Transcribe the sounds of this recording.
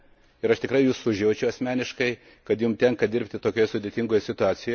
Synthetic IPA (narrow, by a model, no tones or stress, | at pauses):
ɪɾɐʃt̪ʲɪkɾɐɪjuːsʊʒʲjɛʊt͡ʃʲɛʊɐsʲmʲæːnʲɪʃkɐɪ | kɐt̪jʊmt̪ʲɛŋkɐd̪ʲɪɾʲpʲt̪ʲɪt̪oːkʲoːjɛsʊd̪ʲeːt̪ʲɪŋɡoːjɛsʲɪt̪ʊɑːsʲɪjo